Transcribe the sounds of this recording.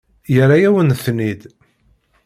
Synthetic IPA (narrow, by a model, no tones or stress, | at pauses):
jəɾajæwənθnid̪